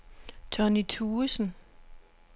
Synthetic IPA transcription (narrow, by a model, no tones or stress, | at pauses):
t͡sʰɒnit͡sʰuːsn̩